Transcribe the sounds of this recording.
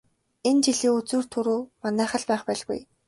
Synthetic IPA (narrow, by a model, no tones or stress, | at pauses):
ent͡ɕiɮiːut͡suːr̥t̪ʰuɾuːmanæːχə̆ɮpæːχpæːɮɣṵj